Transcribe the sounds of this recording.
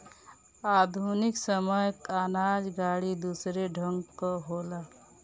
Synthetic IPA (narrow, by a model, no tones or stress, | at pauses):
aːd̪ʱunɪksəməjkaːnaːd͡ʒɡaːɽid̪uːsɾeɖʱə̃ŋɡkoɦoːla